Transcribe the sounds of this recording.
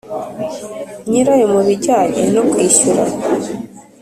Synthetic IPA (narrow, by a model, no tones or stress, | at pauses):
ɲiɾajemuβiɟaːɲḛnokwiːʃuɾa̰